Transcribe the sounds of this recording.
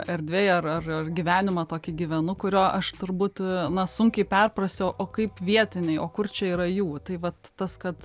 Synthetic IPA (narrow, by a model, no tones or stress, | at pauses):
ɛɾʲd̪ʲʋʲeːjɐrɐrɐrɡʲiʋʲæːnʲɪmɐt̪oːkʲɪɡʲiʋʲɛnʊkʊɾʲoːʔɐʃt̪ʊɾbuːt̪nɐsʊŋʲkʲɛɪpʲɛrprɐsʲt̪ʲɛʔoːkɐɪpʋʲiɛt̪ʲɪnʲɛɪoːkʊrt͡ʃʲɛiːɾɐjuːt̪ɐɪʋɐt̪ːɐskɐt̪